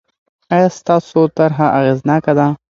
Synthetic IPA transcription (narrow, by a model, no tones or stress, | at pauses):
ɑjɑst̪ɑsot̪aɾɦaʔaɣeznɑkad̪a